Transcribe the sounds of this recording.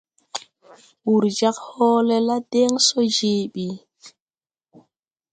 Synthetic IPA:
wu˨ɾd͡ʒa˦khɔː˦lɛ˦la˦dɛ˦ŋsɔ˦d͡ʒe˨ɓi˨

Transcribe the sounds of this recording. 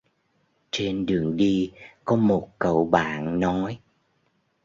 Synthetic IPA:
t͡ɕe˧nɗɨ˨˩əŋɗi˧kɔ˨˦mo˨˩t̚kə̰˧˩˨wɓa̰ː˧˨nnɔ˨˦j

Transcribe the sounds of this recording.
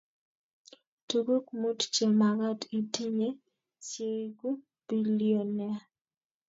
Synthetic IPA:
tu˨ɡo˦kmu˦tt͡ʃe˨ma˨ɡa˦ti˨ti˦ɲe˦ | t͡ʃje˨ɡu˦ | b̥i˦lijo˨nɛ˨˦

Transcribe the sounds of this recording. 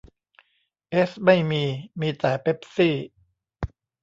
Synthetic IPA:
ʔe˦˥sma˥˩jmiː˧miː˧t̪ɛː˩pʰe˦˥p̚siː˥˩

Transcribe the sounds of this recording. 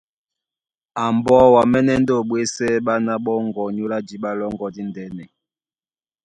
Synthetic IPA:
a˨mbɔ˦wa˨mɛ˦nɛ˦n˦do˦˨ɓwe˦sɛ˦ɓa˦na˦ɓɔ˦ŋɡɔ˨ɲo˦la˦d͡ʒi˦ɓa˦lɔ˦ŋɡɔ˨di˦ndɛ˨˦nɛ˨

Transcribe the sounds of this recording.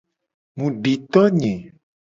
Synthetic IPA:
mũ˨ɖi˨t̪ɔ˦ɲɛ̃˨

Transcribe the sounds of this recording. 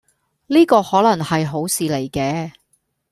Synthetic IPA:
liː˥kɔː˧hɔː˨˥lɐ˨˩ŋhɐ˨jɦo˨˥wsiː˨˧le˨˩jkɛː˧

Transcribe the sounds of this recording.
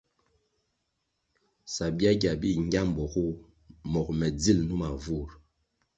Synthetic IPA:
sa˨bi˦a˦ɡʲa˨bi˦ŋ˦ɡʲa˦m˨bɔ˨ku˦ | mɔ˨k̚mɛ˨d͡zi˦˨lnu˦ma˨vu˦˨ɾ

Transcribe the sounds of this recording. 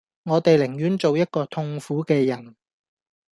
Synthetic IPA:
ŋɔː˨˧t̪e˨jlɪ˨˩ŋjyː˨˥nt͡so˨wjɐ˥t̚kɔː˧t̪ʰʊ˧ŋfuː˨˥kɛː˧jɐ˨˩n

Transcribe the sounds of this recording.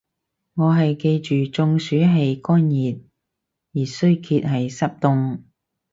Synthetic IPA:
ŋɔː˨˧ɦɐ˨jke˧jt͡ʃyː˨t͡sʊ˧ŋsyː˨˥ɦe˨˧jkɔː˥njiː˨t̚ | jiː˨˩sɵ˥ɥkʰiː˧t̚hɐ˨jsɐ˥p̚t̪ʊ˧ŋ

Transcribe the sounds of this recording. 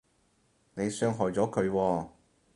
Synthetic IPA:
ne˨˧jsœː˧ŋɦɔː˨jt͡sɔː˨˥kʰɵ˨˧ɥwɔː˧

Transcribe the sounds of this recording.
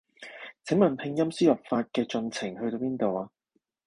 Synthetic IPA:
t͡sʰɪ˨˥ŋmɐ˨˩npʰɪ˧ŋjɐ˥msiː˥lɔ˨˩p̚faː˧t̚kɛː˧t͡sɵ˧nt͡sʰɪ˨˩ŋhɵ˧ɥt̪o˧wpiː˥nt̪o˨waː˧

